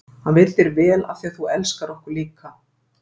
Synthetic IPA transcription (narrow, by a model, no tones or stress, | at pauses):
hanvɪɾt̪ɪɾvɛːla̰θiaθuɛlskaɾɔhkʏɾ̥liːka